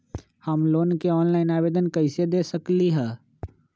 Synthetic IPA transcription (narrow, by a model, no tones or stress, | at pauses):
həmloːnkeɔːnlaːɪnaːbeːd̪ənkəɪsed̪eːsəkliɦɛː